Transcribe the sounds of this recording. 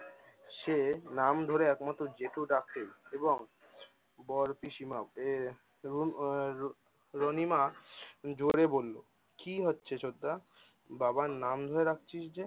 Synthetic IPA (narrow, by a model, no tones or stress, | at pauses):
ʃenamd̪ʱoɾeɛkmɔt̪od͡ʑeʈuɖak̚ʰt̪eɾeboŋ | bɔɾpiʃimae | ɾonima | d͡ʑoɾebolːo | kiɦotːɕʰet͡ɕod̪ːa | babanamd̪ʱoɾeɾak̚t͡ɕʰiʃd͡ʑe